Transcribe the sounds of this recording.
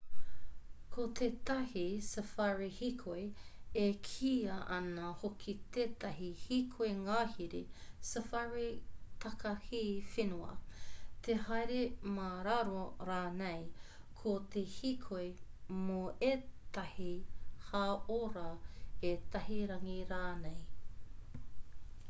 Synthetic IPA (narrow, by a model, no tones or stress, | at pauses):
kʰot̪et̪ɐhisəfaɹihikʰoejekʰiːɐʔɐnɐhokʰit̪eːt̪ɐɦihikʰoeŋaːhiɾisɐfaɹit̪ɐkɐhifenuɐ̰t̪ʰehɐjɾemaɾaɾoɾaːnej | kʰot̪ʰehikʰojmoeːt̪ɐhihaoɾɐet̪ɐɦiɾɐŋiɾaːnej